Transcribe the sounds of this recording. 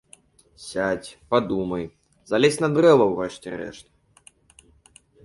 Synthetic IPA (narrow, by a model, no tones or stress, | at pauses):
sʲat͡sʲpad̪umɐj | zalʲɛsʲnɐd̪rɛvɐwrɛʂtʲɛ̰ɾɛ̰ʂt̪ɐ